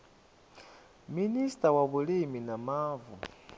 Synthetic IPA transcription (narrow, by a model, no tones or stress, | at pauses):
ministawaβuliminamaːvu